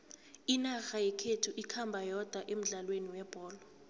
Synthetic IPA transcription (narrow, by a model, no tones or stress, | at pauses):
inaxajɛkʰetʰuʔikʰambʱajɔd̥ʱaʔem̩ɮalweniwɛb̥ʱɔːlɔ